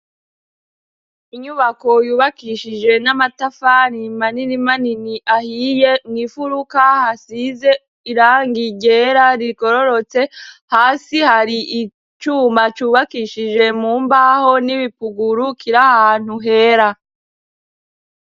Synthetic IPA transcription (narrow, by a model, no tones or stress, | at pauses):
iɲuβako̞juːβakiʃid͡ʒe̞namatafaɾimaninimaniniʔahiːje̞nifuɾukahasize̞ | iɾaːŋɡiɟeɾaɾiko̞ɾo̞ɾo̞t͡se̞haːsihaɾiʔi | t͡ʃuːmat͡ʃuːβakiʃid͡ʒe̞muːmbaho̞niβipuɡuɾukiɾahahaːn̥uɦe̞ːɾa